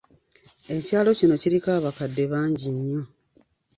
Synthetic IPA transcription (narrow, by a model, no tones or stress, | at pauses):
e̞caːlo̞cino̞ciɾikaːβakadːe̞βaːɲɟiɲːo̞